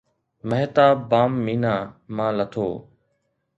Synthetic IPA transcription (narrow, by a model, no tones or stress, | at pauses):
məɦt̪aːbaːmːiːnaːmãːlət̪ʰoː